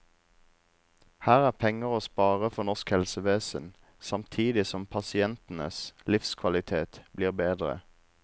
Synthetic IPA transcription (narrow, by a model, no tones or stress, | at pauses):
hæːʁæːʁpʰɛŋəʁoːspɑːʁəfɔʁnɔʁskhɛlsəʋeːsən | sɑmt̪ʰiːd̪ɪsɔmpʰɑsɪɛnt̪n̩əslɪfskʰʋɑlɪt̪ʰeːt̪bliːʁbeːd̪ʁə̰